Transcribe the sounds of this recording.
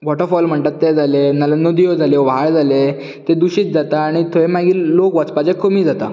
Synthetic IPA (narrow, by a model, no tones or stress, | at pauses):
ʋɔʈəɾfɔlm̤əɳʈ̪at̪ːed͡zʱalenələnod̪ijod͡zʱaleʋɦaɭd͡zʱale | t̪ed̪uɕiːt͡sd͡zat̪aːɽ̃it̪ʰoemaɡiːllokʋat͡spad͡ʑekʰomiːd͡zat̪a̰